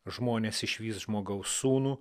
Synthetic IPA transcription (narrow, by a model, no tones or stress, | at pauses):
ʒmoːnʲeːsɪʃʲʋʲiːsʒmoːɡɐʊsuːnuː